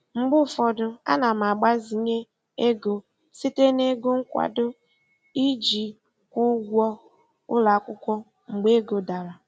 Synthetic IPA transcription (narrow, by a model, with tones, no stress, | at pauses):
ŋ͡m̩˨ɡ͡bʊ˦˨fɔ˨dʊ˨a̰˦na˨m̩˨a˨ɡ͡ba˦zi˨ɲe˦ | e˦ɡo˨ | si˦te˦ne˦ɡo˦ŋ̩˦kʷa̰˨dʊ˦ | i˦d͡ʒi˨ | kʷu˦ɡʷɔ˦ | ʊ̰˦la˨˦˨kʷʊ˦kʷɔ˦ | ŋ͡m̩˨ɡ͡be˦ɡo˨da˨ɾa˨